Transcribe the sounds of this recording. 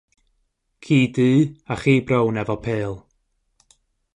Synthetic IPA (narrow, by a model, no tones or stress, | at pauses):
kʰiːdɨːaχiːbrownɛvɔpʰeːlˠ